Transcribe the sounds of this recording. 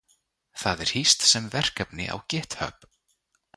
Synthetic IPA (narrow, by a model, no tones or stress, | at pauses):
θaðɛɾ̥hist̪sɛmvɛr̥kapnɪ̰ʔa̰wcɛːht̪hœ̰p